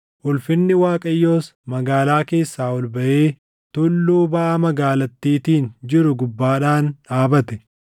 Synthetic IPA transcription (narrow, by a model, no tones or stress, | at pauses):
ʔʊlfɪnːɪwaːkʼɐjːo̞ːsmɐɡaːlaːke̞ːsːaːwɔlbɐʔeː | t̪ʊlːuːbɐʔamɐɡaːlɐt̪ːiːt̪iːnd͡ʒɪɾʊɡʊbːaːᶑaːnᶑaːbɐt̪ɛ